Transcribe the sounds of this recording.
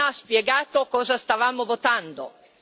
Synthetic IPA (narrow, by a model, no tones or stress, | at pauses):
aspjeɡaːt̪okɔːzast̪avaːmovot̪and̪o̰